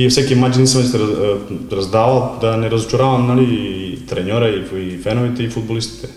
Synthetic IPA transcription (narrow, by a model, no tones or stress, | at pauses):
ijsekimad͡ʑinisamst̪eaɾazd̪aːʋalod̪aneɾazot͡ʃaɾaːʋamnalit̪ɾeɲoɾaiifenoʋit̪eifud̪̚bolist̪i̥t̪e